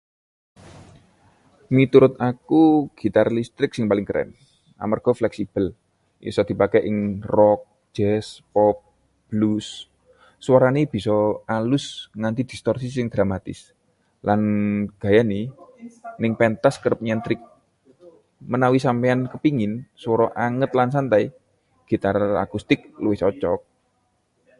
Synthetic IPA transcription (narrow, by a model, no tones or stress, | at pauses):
mit̪uɾʊt̪akuɡ̥i̤t̪arlist̪ɾɪk̚sɪŋpalɪŋkəɾʔɛ̰n | a̰marɡ̥ɔ̤flɛksib̥ə̤l | ʔḭsɔd̪̥i̤pakɛʔɪŋrɔk̚ | d͡ʒ̥ɛspɔp̚ | b̥lusː | waɾaneb̥i̤sɔalʊsŋant̪id̪̥i̤st̪ɔrsisɪŋd̪̥ɾamat̪ɪ̰s | lanɡ̥a̤jani | nɪŋpɛnt̪askəɾəp̚ɲɛnt̪ɾɪk̚ | mənawisampɛankəpiŋɪnswɔɾɔʔaŋət̪̚lansant̪ai | ɡ̥i̤t̪aɾaa̰kust̪ɪk̚luwɪht͡ʃɔt͡ʃɔ̰k̚